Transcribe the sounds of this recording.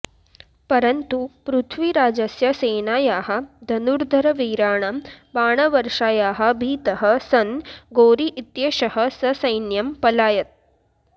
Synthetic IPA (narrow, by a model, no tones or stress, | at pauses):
pɐɾɐnt̪upɾut̪ʰʋiɾaːd͡ʒɐsjɐseːnaːjaːɦɐ̆d̪ʱɐnuɾd̪ʱɐɾɐʋiːɾaːɳɐmbaːɳɐʋɐɾʂaːjaːɦɐ̆bʱiːt̪ɐɦɐ̆sɐnɡoːɾiʔit̪jeːʃɐɦɐ̆sɐsɐjnjɐmpɐlaːjɐt̪̚